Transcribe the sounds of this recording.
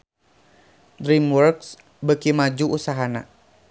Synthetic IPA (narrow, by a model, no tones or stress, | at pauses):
dɾimwɔrks | bəkimad͡ʒuusaɦana̰